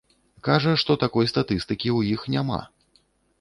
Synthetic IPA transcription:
kaʐɐʂt̪ɔt̪akɔjst̪at̪ɨst̪ɨkʲiwjixnʲama̰

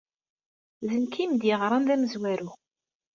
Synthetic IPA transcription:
zənkʰimd̪jɪʁɾˤɑnðæməzwæɾu

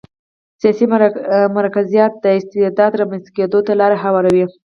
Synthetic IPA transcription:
sijɑsimaɾɑkazijɑt̪̚d̪əɪst̪ɪd̪ɑd̪ɾɑmanzḁked̪ot̪alɑɾaɦawɑɾawi

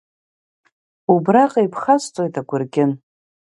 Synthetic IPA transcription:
ubraqʼaipʰχast͡sʼojtʰaɡʷʊrɡʲɪn

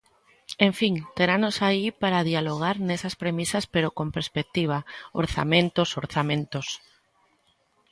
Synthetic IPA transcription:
ẽɱfiŋt̪eɾanosaipaɾaðialoɣ̞aɾnesaspɾemisaspeɾokompeɾspek̚t̪iβ̞ao̰ɾθa̰mẽnt̪osoɾθamẽnt̪os

